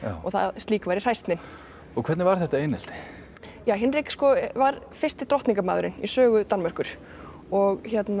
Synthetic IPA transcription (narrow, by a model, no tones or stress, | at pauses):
ɔɣθa̰ðst̪liːkvajɾɪr̥ajst̪nɪn | ɔkʰvɛt̪nɪvaɾ̥θɛht̪aejnɛl̥t̪ɪ̥ | jaːwɦɪnɾeːkɪ̥skɔvaɾ | fɪrst̪ɪt̪ɾɔht̪niŋkamaːðʏɾɪnisœːɣʏt̪anmar̥kʏɾ̥ | ɔɣçjɛt̪n